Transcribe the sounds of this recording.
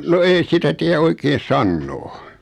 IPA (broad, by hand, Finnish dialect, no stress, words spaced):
no ei sitæ tiæ oikeːn̞ sɑnːoː